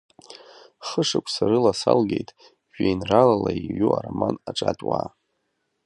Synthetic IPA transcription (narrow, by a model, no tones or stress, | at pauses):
χəʂakʷʰʼsaɾɨlasalɡe̞jtʼ | ʒᶣejnralalaiɥuaramanaʈ͡ʂʼatʼwaː